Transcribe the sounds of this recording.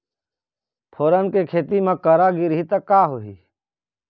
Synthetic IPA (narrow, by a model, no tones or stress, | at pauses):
pʰoːɾənkekʰeːt̪imãkəɾaɡiɾɦit̪əkːaːɦoɦiː